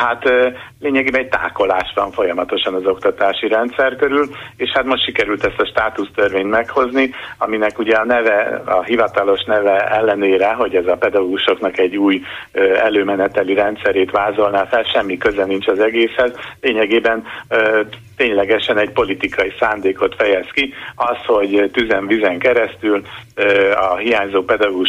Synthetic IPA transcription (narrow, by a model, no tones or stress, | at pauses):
hat̪leːɲɛɡeːbɛnɛɟ̚t̪a̰ːko̞laːʃʋɒɱfo̞jɒmɒt̪o̞ʃɒnɒzo̞kt̪ɒt̪aːʃiɾɛnt̪sɛrkøɾyleːʃhat̪mo̞ʃtʃikɛɾylt̪ɛst̪ɒʃt̪aːt̪ust̪ørveːɲt̪mɛkho̞zniɒminɛkuɟɛɒnɛvɛɒ̰ɦivɒt̪ɒlo̞ʃnɛvɛɛlːɛneːɾɛɦo̞ɟɛzɒpɛd̪ɒɡoːɡuʃo̞knɒkɛɟːuːjøɛløːmɛnɛt̪ɛliɾɛnt̪sɛɾeːt̪ʋaːzo̞lnaːfɛlʃɛmːikøzɛnint͡ʃɒzɛɡeːshɛzleːɲɛɡeːbɛnː | t̪eːɲlɛɡɛʃɛnɛɟ̚po̞lit̪ikɒjisaːnd̪eːko̞t̪fɛjɛskiɒsho̞ɟt̪yzɛɱvizɛŋkɛɾɛst̪yl | ɒɦijaːɲzoːpɛd̪ɒɡou